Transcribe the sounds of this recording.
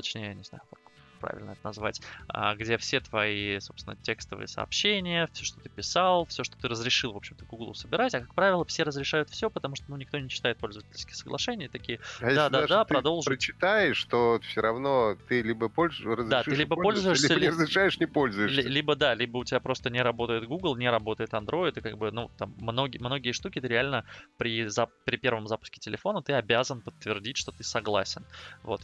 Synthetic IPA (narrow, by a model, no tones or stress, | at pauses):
t̪ɐt͡ɕnʲejəjnʲɪzna̰jʊka̰k | pɾa̰vʲɪ̰lʲnəɛt̪ənɐzva̰tʲə̰ɡdʲe̞fsʲe̞t̪vɐiso̞psvɪnətʲe̞kst̪əvɨ̰jəsə̰ɐ̰pɕːenʲɪjəfʲsʲoʂt̪o̞t̪ɨpʲɪsalˠfsʲo̞ʂt̪ot̪ɨɾəzɾʲɪʂɨlˠvo̞pɕɪmt̪əɡʊɡlˠṵsəbʲɪɾatʲɐkak̚pɾavʲɪlˠəfsʲe̞ɾəzɾʲɪʂajʊt̪fsʲopət̪ɐmuʂt̪onunʲɪkt̪o̞nʲɪɕːɪ̥t̪aɪt̪̚po̞lʲzəvətʲɪlʲsʲkʲɪ̥xsəɡlˠɐ̰ʂɛnʲɪjət̪ɐkʲijəajed̪ad̪aad̪apɾɐd̪o̞lˠʐət͡ɕɪ̥t̪ajɪʂt̪ofsʲoɾɐvnot̪ɨlʲibəpolʲrəzɾd̪at̪ɨlʲiibəpo̞lʲzʊɪʂʲisʲəbʲɪɾəzɾʲɪʂajɪʂnʲɪpo̞lʲzʊjɪlʲlʲibəd̪alʲibəʊtʲɪbʲapɾo̞st̪ənʲɪɾɐbo̞t̪əjɪt̪ɡuɡlˠnʲɪɾɐbo̞t̪əjɪt̪ɐnd̪ɾo̞ɪt̪ɨkaɡ̚bɨnut̪amːno̞ɡʲɪmno̞ɡʲɪjəʂt̪ukʲɪt̪ɨɾʲɪalʲnəpɾʲɪzapɾʲɪpʲe̞rvəmzapʊ̥skʲɪ̥tʲɪlʲɪfo̞nət̪ɨɐbʲazənpət̪ːvʲɪrdʲitʲʂt̪o̞t̪ɨsɐɡlˠa̰sʲɪnvo̞t̪